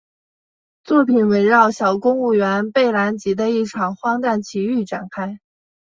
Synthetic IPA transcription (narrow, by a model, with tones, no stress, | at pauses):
t͡swɔ˥˩pʰi˨˩˦nwe˧˥ɪɻɑ˥˩ʊɕjɑ˨˩ʊkʊ˥ŋu˥˩ɥɛ˧˥npe˥˩ɪla˧˥nt͡ɕi˧˥d̪ə˧i˥˩ʈ͡ʂʰɑ˨˩ŋxwɑ˥ŋt̪a˥˩nt͡ɕʰi˧˥y˥˩ʈ͡ʂa̰˨˩nkʰa˥ɪ